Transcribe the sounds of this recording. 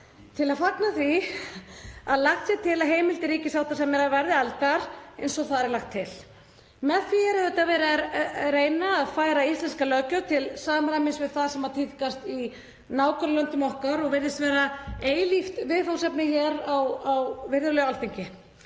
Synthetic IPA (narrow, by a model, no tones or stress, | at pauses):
t̪ʰɪlaðfaknaθvi | aðlaxt̪sjɛt̪ʰɪlaɦeːjmɪlt̪ɪɾiːcɪsawt̪ʰasɛmɛɾavɛɾðɪalt̪aɾ̥ḛjnsɔɣθaðɛɾɛɾlaxt̪ʰːɪl̥ | mɛðθviɛɾɛðɛt̪avɛɾaɾeːjnaːðfaːjɾaist̪lɛnskalœːcʏt̪ʰɪlsaːmɾajmɪnsvɪðθaðsɛmat̪ʰit̪ikast̪i | naːwkʰœɾlœnt̪ʏmɔhkaɾɔɣvɪɾðɪst̪vɛːɾaeːjlift̪vɪðθawnsɛpnɪçɛɾawawvɪɾðʏɾlɛɣalθiɲcɪ